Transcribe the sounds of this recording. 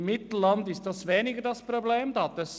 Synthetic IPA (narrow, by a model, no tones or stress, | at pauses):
mɪt̪lɑnd̪ɪsd̪ɑsʋeːnɪɡəd̪ɑspʰɾʊbleːmd̪ɑt̪əs